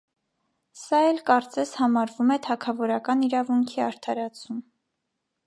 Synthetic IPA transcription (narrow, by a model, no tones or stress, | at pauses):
sɑɛlkɑɾt͡sɛshɑmɑɾvumɛt̪ʰɑkʰɑvɔɾɑkɑniɾɑvuŋkʰiɑɾt̪ʰɑɾɑt͡sʰum